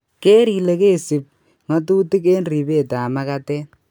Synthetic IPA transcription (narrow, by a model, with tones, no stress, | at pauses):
keː˦ɾi˨le˨ke˦˨si˨p̚ | ŋɔ˦t̬u˦ti˦ke˦nri˨pe˦˨ta˨ma˦ka˦tɛ˦